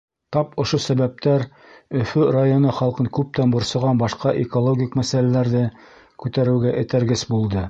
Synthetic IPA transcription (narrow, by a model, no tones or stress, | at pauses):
t̪ɑpŏʃosæβæp̚t̪æɾ | ɵ̆fɵrajonoχɑlˠqɤŋkʉp̚t̪ænbŏɾsɤ̆ʁɑnbɑʃqɑʔekolˠoɡʲikmæsælælæɾðɘ | kʉt̪æɾɘ̆ɡæʔɘ̆t̪æɾɡɘsbulˠd̪ɤ